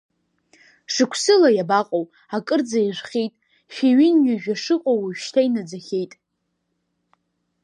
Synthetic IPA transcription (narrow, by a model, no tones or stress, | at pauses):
ʂɨkʷʰsɨlajabaqʼowʼ | akʼɨrd͡zaiʒʷχʲijtʼ | ʃiɥɪnɥʲɪʒᶣaʂɨqʼowʃtʰainad͡zaχʲejtʼ